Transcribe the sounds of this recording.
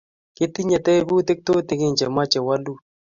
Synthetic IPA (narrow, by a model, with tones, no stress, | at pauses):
kɪ˦t̪i˦ɲa˨t̪ɛ˦bu˦t̪e˦k̚t̪o˦t̪ɪ˨ɡe˦ɲd͡ʒa˨ma˦t͡ʃɛ˨wa˦lu˦